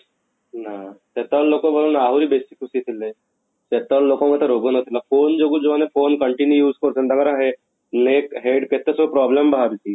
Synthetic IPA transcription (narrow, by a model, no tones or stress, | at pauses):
naset̪allokõbolonaaɦuɾibesikːusit̪ʰilːe | set̪allokõmẽt̪əɾoɡonat̪ʰilafoːnd͡ʒoɡud͡ʒoʋanefoːnkəɳʈinjujuːskɔɾsənd̪ɐɡəɾaɦe | nekɦeɖket̪ːespɾɔblembəɦaɾit̪i